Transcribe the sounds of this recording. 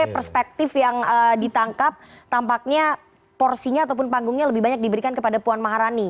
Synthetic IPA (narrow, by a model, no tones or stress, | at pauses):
pərspɛk̚t̪ɪfjaŋədit̪aŋkap̚t̪ampak̚ɲa | pɔrsiɲaːt̪̬awp̬ʊnpaŋɡʊŋɲaləbɪhbaɲak̚dibəɾikankəpadapuanmaɦaɾani